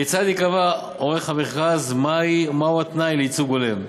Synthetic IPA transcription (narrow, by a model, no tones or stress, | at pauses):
et͡sad̪ikava | oʁeχameχʁazmaimauat̪najleit͡suɡolem